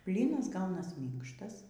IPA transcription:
ˈbʲlʲiːnɐs ˈɡɐʊnɐs ˈmʲiːŋkʃtɐs

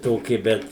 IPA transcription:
ˈtoːkʲɪ ˈbʲɛt

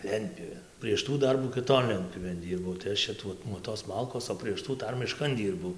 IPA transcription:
ˈlʲɛnʲtʲpʲjuːʋʲeːn pʲrʲiɛʃ ˈtuː ˈdɐrbuː kʲɪˈtoːn ˈlʲɛnʲtʲpʲjuːʋʲeːn ˈdʲiːrbɐʊ tɐɪ ˈɐʃ t͡ʃʲɛ ˈtuɔ nuɔ toːs ˈmɐlˠkoːs oː pʲrʲiɛʃ ˈtuː ˈdɐr mʲɪˈʃkɐn ˈdʲiːrbɐʊ

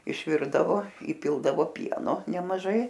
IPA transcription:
ɪʃʲˈʋʲɪrdɐʋoː iːˈpʲɪlˠdɐʋoː ˈpʲiɛnoː nʲɛmɐˈʒɐɪ

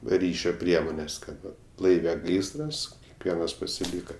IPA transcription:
ˈrʲiːʃʲoː ˈpʲrʲiɛmoːnʲɛs ˈkɐt ˈʋɐ ˈlˠɐɪʋʲɛ ˈɡɐɪsrɐs ˈʋʲiɛnɐs pɐsʲɪˈlʲiːkɐ

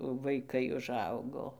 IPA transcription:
ʋɐɪˈkɐɪ ʊˈʒɐʊɡoː

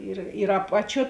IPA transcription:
ɪr ɪr ˈɑːpɐˌt͡ʃʲuɔ

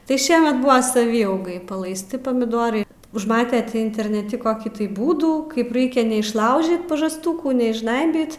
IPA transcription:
tɐɪ ˈʃʲiɛmʲɛt ˈbʊʋɐ sɐˈʋʲiːɐʊɡɐɪ pɐlˠɐɪsʲˈtʲɪ pɐmʲɪˈdoːrɐɪ ʊʒˈmɑːtʲɛ ˈtʲiː ɪnʲtʲɛrʲnʲɛˈtʲɪ koːˈkʲiː tɐɪ ˈbuːduː ˈkɐɪp ˈrɐɪkʲɛ nʲɛɪʃˈlˠɐʊʒʲiːt pɐʒɐsˈtuːkuː nʲɛɪʒˈʒnɐɪbʲiːt

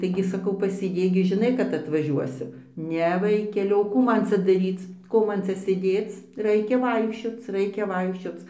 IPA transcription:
tɐɪˈɡʲɪ sɐˈkɐʊ pɐsʲeːˈdʲeːk ɡʲɪ ʒʲɪˈnɐɪ kɐt ɐtʋɐˈʒʲuɔsʲɪm ˈnʲɛ ˈʋɐɪkʲɛlʲɪ oː ˈkuː ˈmɐn ˈt͡sʲɛ dɐˈrʲiːt͡s ˈkoː ˈmɐn ˈt͡sʲɛ sʲeːˈdʲeːt͡s ˈrɐɪkʲɛ ˈʋɐɪkʃʲt͡ʃʲoːt͡s ˈrɐɪkʲɛ ˈʋɐɪkʃʲt͡ʃʲoːt͡s

